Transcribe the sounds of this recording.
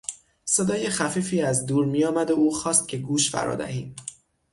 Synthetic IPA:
se̞d̪ɒːje̞xæfiːfiːæzd̪uːɾmijɒːmæd̪ouːxɒːst̪̚cʰe̞ɡuːʃfæ̰ɾɒ̰ːd̪æ̰hiːm

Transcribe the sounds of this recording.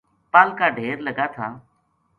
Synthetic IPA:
paːlkaːɖʱeːɾləɡaːt̪ʰaː

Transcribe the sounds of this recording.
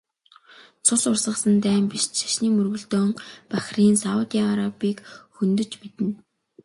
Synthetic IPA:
t͡sʰʊsʊrsə̆χsə̆nt̪æːmpiʃʃḁʃniːmɵrɣɵ̆ɮt̪oːŋpaxriːnsaʊt̪iaaɾapiːkxɵnt̪ɵ̆t͡ɕmet̪ɘ̆n

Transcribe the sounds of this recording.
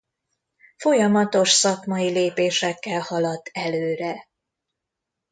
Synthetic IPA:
fo̞jɒmɒt̪o̞ʃsɒkmɒileːpeːʃɛkːɛlhɒlɒt̪ːɛløːɾɛ

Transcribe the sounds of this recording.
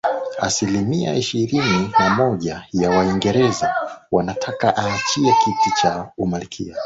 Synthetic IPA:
a̰silimia̰ʔiʃiɾininamɔʄajawaiŋɡɛɾɛzawanatʰakaʔaːt͡ʃiɛkitit͡ʃaumalikʰḭa

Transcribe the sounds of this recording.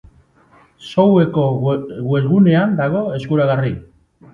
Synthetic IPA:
sowe̞koɣwe̞zɣune̞and̪aɣo̞e̞skuɾaɣari

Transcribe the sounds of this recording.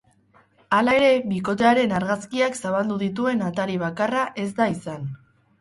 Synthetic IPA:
alae̞ɾe̞βiko̞t̪̬e̞aɾe̞naɾɣaskiaksaβ̞ald̪uðit̪̬ue̞nat̪aɾiβ̞akaraʔe̞zd̪aisan

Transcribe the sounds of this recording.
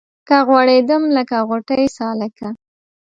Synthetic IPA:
kaɣwɑɽed̪əmləkaɣoʈəjsɑlaka

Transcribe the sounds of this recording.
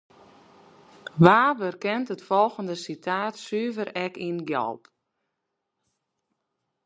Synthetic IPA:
ʋaːʋərkɛntətfɔlˠɣəndəsitʰaːtsyːvərɛkinɡjɔ̰lˠp

